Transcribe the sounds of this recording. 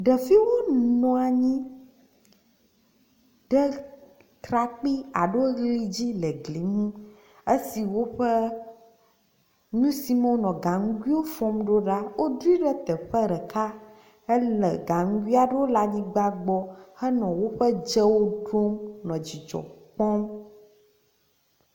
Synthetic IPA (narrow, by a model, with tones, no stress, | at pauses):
ɖə˨fi˦wo˦nɔ̃˨a˨ɲĩ˦ | ɖə˦ | t̪ɾa˨k͡pi˦a̰˨ɖo˦ɣli˦d͡ʑi˦lə˨ɡli˨ŋũ˦ | e˦si˨wo˦ɸə˦ | ɲũ˦si˨me˦wo˦nɔ̃˨ɡa˨ŋu˦ɡwi˦wo˦fɔ̃˦mɖo˦ɖa˦wo˦ɖu˦i˦ɖɛ˦t̪ɛ˨ɸə˦ɾɛ˨kʰa˦ | e˦lɛ˨ɡa˨ŋ̩˦ɡʷi˦a˨ɖe˦wo˦la˨ɲĩ˦ɡ͡ba˦ɡ͡bɔ˦hɛ˦nɔ̃˨wo˦ɸə˦d͡ʒɛ˦wo˦ɖo˦mnɔ̃˨d͡ʑi˨d͡ʒɔ̰˨k͡pɔ˦m